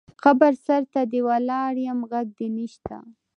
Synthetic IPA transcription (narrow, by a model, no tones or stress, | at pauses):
xabaɾsaɾt̪ad̪əwalɑɾjamɣaɡ̚d̪əniʃt̪a̰